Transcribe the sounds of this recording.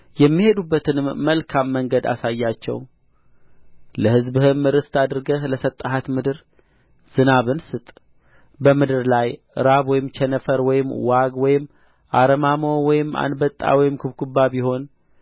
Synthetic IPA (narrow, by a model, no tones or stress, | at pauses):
jɛmːihe̞d̪ubːət̪ɨnɨmːəlkʰamːəŋɡəd̪a̰sajːat͡ʃːɛ̰w | ləhɨzbɨhɨmːɨɾɨst̪ʰad̪ɾɨɡəhləsət̪ʼːaɦat̪mɨd̪ɨɾ | z̥ɨnaβɨnsɨt̪ʼ | bəmɨd̪ɨɾlaj | ɨ̰ɾaβwɔjɪmt͡ʃʰɛnəfəɾwɔjɪmːwaɡwɔjɪmː | ʔaɾəmamowɔjɪmːa̰nbət̪ʼːa̰wɔjɪmkʰɨβkubːabiho̞n